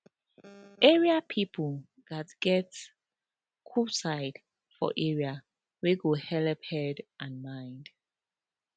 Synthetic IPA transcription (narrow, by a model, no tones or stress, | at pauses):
ʔɛɹiapʰipʰə | ðatɡ̥ɛt | kʰusaɪd | fɔ̰ʔɛɹia | weɡohɛlphɛdʔãnmãɪ̃nd